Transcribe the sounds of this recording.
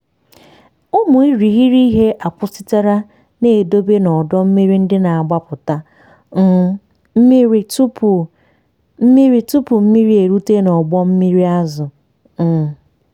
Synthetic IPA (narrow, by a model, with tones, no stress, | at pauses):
ʊ˦mʊ˨i˦ɾi˨ɦi˦ɾi˦ɦe˦ʔa˨pʊ˦sɪ˦ta˦ɾa˦ | neː˦˨do˦be˦nɔ˨dɔ˦m̩˦mi˦ɾi˦n̩˦dɪ˦na˨a˨ɡ͡ba˦pʊ˨ta˦ | m̩˦i˦tu˦p | m̩˦mi˦ɾi˦tʊ˦pʊ˨m̩˦mi˦ɾi˦e˨ɾu˦te˦nɔ˨ɡ͡bɔ˦m̩˦mi˦ɾi˦a˦zʊ˨˦